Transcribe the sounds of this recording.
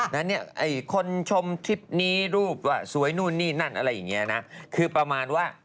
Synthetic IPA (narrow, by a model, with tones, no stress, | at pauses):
na˦˥nːi˥˩ɐʔa˧˩jkʰo˧nt͡ɕʰo˧mt̪ʰi˦˥p̚niː˦˥ɾuː˥˩p̚waː˧˩su˨˩˦əjnuː˥˩nːiː˥˩na˥˩nʔa˧ɾa˧jːa˨˩ŋːi˦˥ɐna˦˥kʰɯː˧pɾa˧maː˧nwaː˥˩